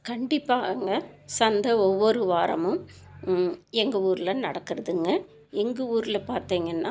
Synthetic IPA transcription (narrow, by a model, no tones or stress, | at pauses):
kɐɳɖɪpːaːŋɡɐsɐnd̪ɐɔʋːɔɾɯʋaːɾɐ̰mɯ̃ | ɛŋɡɐuːɾɪlɐnɐɽɐkːɯɾɐðɯŋɡɐ | ɛŋɡɐuːɾɪlɐpaːɾt̪iːŋɡɐnːaː